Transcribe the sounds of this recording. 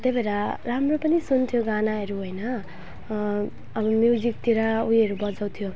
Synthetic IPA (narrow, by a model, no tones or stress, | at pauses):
t̪ebeɾaɾamropʌnisunt̪ʰjoɡanaɦʌɾuɦojnʌ | bʌmjud͡zik̚t̪iɾaujɦʌɾubʌd͡zaw̃t̪ʰjo